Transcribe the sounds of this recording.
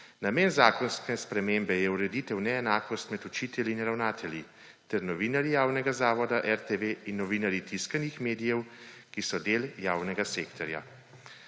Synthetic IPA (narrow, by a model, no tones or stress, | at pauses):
nameːnzaːkɔnskɛspɾɛmeːmbɛjɛuɾɛd̪it̪ɛwnɛːnaːkɔst̪mɛt̪ut͡ʃiːt̪ɛljinɾawnaːt̪ʰɛlji | t̪ɛɾnɔʋiːnaɾjijaːwnɛɡazaːʋɔd̪aʔɛɾt̪eʋeinːɔʋiːnaɾjit̪iskanixmeːd̪ijɛwkisɔd̪eːljaːwnɛɡaseːkt̪ɔɾja̰